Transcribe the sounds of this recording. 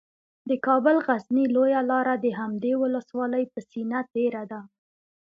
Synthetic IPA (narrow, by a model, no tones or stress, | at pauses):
d̪əkɑbəlɣaznilojalɑɾad̪əɦamd̪ewʊləswɑləjpəsinat̪̚ɖeɾad̪a